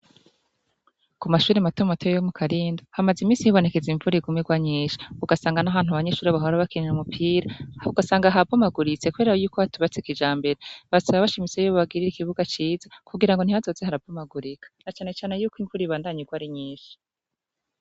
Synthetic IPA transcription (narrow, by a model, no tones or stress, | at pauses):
kumaʃuːɾimatumatojejomukʰaɾiːndohamazimiːsihiβo̞ne̞ke̞ziɱvuɾiɡumiɡwaɲiːʃi̥uɡasaːŋɡanaβaːn̥uaβaɲe̞ʃuːɾiaβaɦoɾaβakininamupʰiːɾauɡasaːŋɡaɦaomabɡuɾit͡se̞kuβe̞ɾajuːkohatuβat͡sikid͡ʒaːmbe̞ɾeβasaβaβaʃimit͡se̞joββaɡiɾiɾikiβuɡat͡ʃiːzakuɡiɾaŋɡo̞n̥hihazo̞zehaɾab̚ɡomaɡuɾikḁnat͡ʃaːne̞t͡ʃaːnejuːkwiɱvuːɾiiβaːndaɲiɡwaɾiɲiːʃi̥